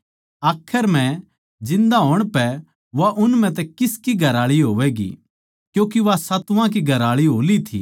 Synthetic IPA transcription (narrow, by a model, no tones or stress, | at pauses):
aːkʰːəɾmɛ̃ | d͡ʒɪ̃nd̪aɦoːɽ̃pɛ | ʋaʔʊnmɛ̃t̪̬ɛkɪskiɡʱɐɾaːɭiɦoːʋɛɡḭ | kjũːk̬iʋasɐt̪ʋãk̬iɡʱɐɾaːɭiɦoːlit̪ʰḭː